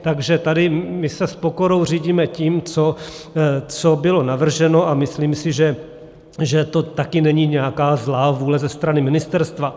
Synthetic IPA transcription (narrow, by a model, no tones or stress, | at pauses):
t̪aɡʒɛt̪adɪmɪsɛspo̞ko̞ɾo̞wr̝iːɟiːmɛciːmt͡so | t͡sobɪlo̞navr̩ʒɛno̞ʔamɪsliːmsɪʒɛ | ʒɛt̪o̞t̪akɪnɛɲiːɲɛakaːzlaːvuːlɛzɛst̪ɾanɪmɪnɪst̪ɛɾst̪va